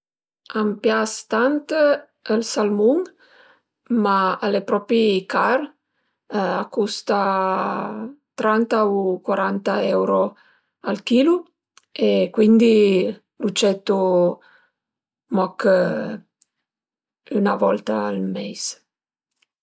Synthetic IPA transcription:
ampjast̪ant̪ | əlsalmuŋ | maalepɾɔpɾikar | akːust̪a | t̪ɾant̪aukwaɾant̪aɛwɾo | alk̟iːlu | ekwind̪i | lut͡ʃɛt̪ːu | mɔk | ynavɔlt̪aːlmɛjs

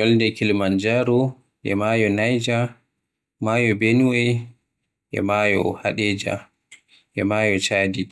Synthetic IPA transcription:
jɔldɛkilmand͡ʒaɾɔ | ʔɛ̰majɔnajd͡ʒa | majɔbenwɔj | ʔɛ̰majɔ̰haɗɛːd͡ʒa̰ | ʔɛmaːjɔt͡ʃaːdi

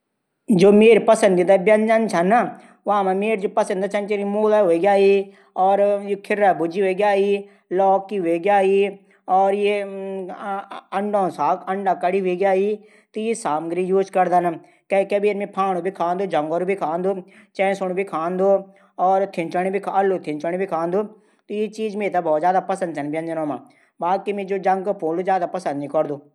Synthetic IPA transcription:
d͡ʒoːmeːɾipəsə̃nd̪id̪aːbɐnd͡ʒant͡ʃʰana | ʋãːmãmeːɾd͡ʒoːpəsə̃nd̪aːt͡ʃʰɐnt͡ʃeɾmoːlaːɦoːeɡjaːiː | ɔːɾjekʰɪɾaːbʊd͡ʒiːɦoeɡjaːiː | lɔːkːiɦeːɡjaːiː | ɔːɾje | ɐɳɖãːsaːkəɳɖaːkəɽiːɦoeːɡjaːɦiː | t̪ojesaːmɡɾijuːzkɐɾd̪an | kɐikɐbiːɾmẽpʰaːɽ̃ubʱikʰãːnd̪oːd͡ʒɐŋɡoɾubʱikʰãːnd̪o | t͡ʃɛ̃ːsoñubʱikʰaːnd̪oː | ɔːɾt̪ʰɪnt͡ʃənibʱikʰaɐlːut̪ʰɪnt͡ʃənibʱikʰãːnd̪uː | t̪ojet͡ʃiːd͡ʒmeːt̪abɔːt̪zjaːd̪apɐsə̃nd̪sɐnbjɐ̃nd̪inõːmã̰ː | baːkimẽd͡ʒoːd͡ʒɐ̃ŋɡkopoːluzjaːd̪apɐsə̃nd̪nĩkɔɾd̪uː

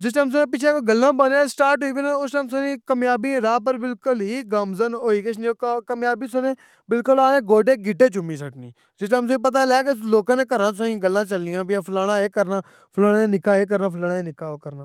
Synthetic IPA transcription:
d͡ʒɪsʈams̬onẽpɪt͡ʃʰeːkoɡəlːãːbəneːsʈaːɾʈɦoiːbənẽʊsʈəmsonĩːkəmjaːbiːɾaːp̬əɾbɪlkʊlɦiːɡamzənoːiːkəʃʰniːokəmjaːbiːsoneː | bɪlkʊlaːẽːɡoːɖeːɡɪʈːeːt͡ʃʊmiːsəʈnḭ̃ː | d͡ʒɪsʈəms̬ə̃ĩːpət̪̬aːlɛːkesloːkãːnẽːkəɾãːsõĩːɡəlːãːt͡ʃəlɪjãːbɪãːpʰlaːɽ̃aːeːkəɾnaː | pʰʊlaːɽaːẽnɪkaːeːk̬əɾnãːpʰlaːɽaːeːnɪkaːoːkəɾnaː

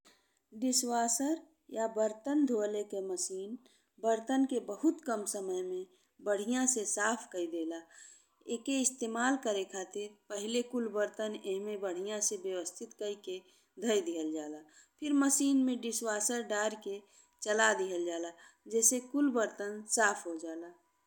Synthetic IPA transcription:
ɖɪswaːsəɾ | jabəɾt̪ənd̪ʱoːlekeməsiːn | bəɾt̪ənkebəɦʊt̪kəmsəməjmẽ | bəɽ̤ijãsesaːpʰkəid̪eːla | eːkeɪst̪eːmaːlkəɾekʰaːt̪ɪɾpəɦlekʊlbəɾt̪əneɦmẽbəɽ̤ijãsebjəwəst̪ʰɪt̪kəike | d̪ʱəjd̪iɦəld͡ʒaːlapʰɪɾməsiːnmẽɖɪswaːsəɾɖaːɾke | t͡ʃəlad̪iɦəld͡ʒaːlad͡ʒɛːsekʊlbəɾt̪ənsaːpʰɦod͡ʒaːlaː

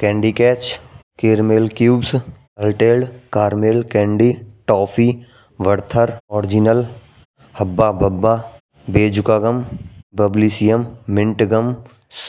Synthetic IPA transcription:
kɛ̃ːɳɖiːkɛːt͡ʃkeːɾmeːlkjuːbs | ɐlʈeːlɖkaːɾmeːlkɛ̃ːɳɖiʈɔːpʰiː | ʋəɾt̪ʰəɾɔːɾɪd͡ʒinəl | hɐbːaːbɐbːaː | beːd͡ʒʊkaːɡəmbəbliːsijəmːɪ̃ɳʈɡəm | s

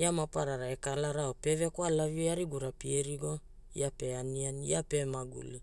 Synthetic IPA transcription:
iamapaɾaɾae̞kalaɾaope̞ve̞koalaviaɾiɡuɾapieɾiɡo̞ | ḭape̞anianiape̞maɡṵli

